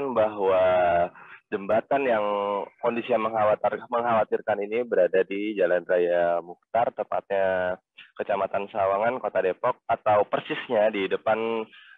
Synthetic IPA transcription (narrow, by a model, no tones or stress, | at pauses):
nbaɦwa | dəmbat̪anjaŋkondisiaŋməŋɦawat̪məŋɦawat̪ɪrkaninibəɾadadid͡ʒalanrajamuk̚t̪art̪əmpa̰t̪̚ɲa | kət͡ʃamat̪ansawaŋankot̪adepɔk̚at̪awpərsɪsɲadidəpan